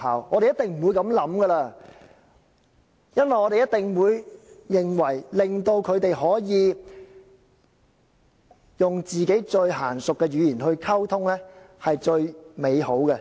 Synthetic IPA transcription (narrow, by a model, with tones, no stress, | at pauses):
aː˨wɔː˨˧˥te˨jɐ˥t̪ɪ˨ŋm̩˨˩wuː˨˧jkɐ˨˥mlɐ˨˥mɡə˧laː˧ | jɐ˥nwɐ˨jŋɔː˨˧e˨jɐ˥t̪ɪ˨ŋwuː˨˧jːɪ˨ŋwɐ˨˩jlɪ˨ŋt̪o˧wkʰɵ˨˧ɥt̪e˨jɦɔː˨˥jiː˨˧ | jʊ˨ŋt͡siː˨ke˨˥jt͡ʃɵ˧ɥɦaː˨˩nsʊ˨kːɛː˧ɥyː˨˧jiː˨˩nɦɵ˧ɥkʰɐ˥wt̪ʰʊ˥ŋlɛː˥ | hɐ˨jt͡ʃɵ˧ɥme˨˧jho˨˥wkɛ˧